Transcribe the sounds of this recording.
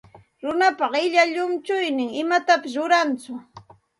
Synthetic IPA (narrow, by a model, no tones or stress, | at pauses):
ɾʊnapɑqɪʎaʎʊmt͡ʃʊjnɪŋɪmat̪apɪs̬ɾʊɾant͡sʊ